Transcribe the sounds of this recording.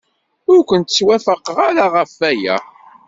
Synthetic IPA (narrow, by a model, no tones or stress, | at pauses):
ʊɾkʷənt̪ə̥t͡sːwæfəqʁaɾaʁəfæjæ̰